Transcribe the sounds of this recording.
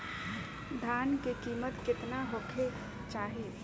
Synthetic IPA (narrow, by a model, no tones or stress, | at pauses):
d̪ʱaːnkekiːmət̪kɪt̪naɦokʰe | t͡ʃaːɦi